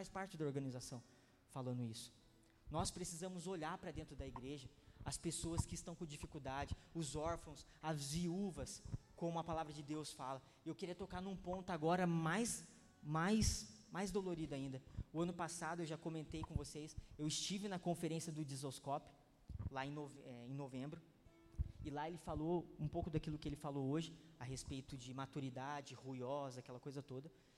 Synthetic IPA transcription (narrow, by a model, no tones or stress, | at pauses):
fajspaɾt͡ʃɪd̪ɐoɾɡɐ̃nizasɐ̃w̃ | falɐ̃nd̪ʊisʊ̥ | nɔspɾesizɐ̃mʊzoʎaɾpɾɐd̪ẽnt̪ɾʊd̪ɐiɡɾeʒɐ | ɐspesoɐskɪist̪ɐ̃w̃kõd͡ʒifikuwd̪ad͡ʒɪʊzɔɾfɐ̃w̃sɐzviuvɐskõmʊɐpalavɾɐd͡ʒɪd̪ewsfalɐ | ewkɪɾiɐt̪okaɾnũpõnt̪ʊaɡɔɾɐmajs | majsmajzd̪oloɾid̪ʊaĩnd̪ɐʊɐ̃nʊpasad̪ʊewʒakõmẽnt̪ejkõvosejsewɪst͡ʃivɪnɐkõfeɾẽsiɐd̪ʊd͡ʒizoskɔpʊ̥ | laẽnovɛẽnovẽmbɾʊ | ɪlaelɪfaloũpowkʊd̪akilʊkɪelɪfalooʒɪaɦespejt̪ʊd͡ʒɪmat̪uɾid̪ad͡ʒɪhujɔzɐakɛlɐkojzɐt̪od̪ɐ